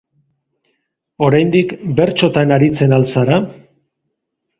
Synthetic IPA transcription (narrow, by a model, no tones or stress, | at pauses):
o̞ɾajnd̪ikbe̞ɾt͡ʃo̞t̪anaɾit͡se̞nalsaɾa